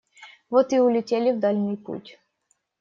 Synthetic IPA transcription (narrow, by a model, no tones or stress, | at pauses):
vot̪ɨʊlʲɪtʲelʲɪvd̪alʲnɨjpṵtʲ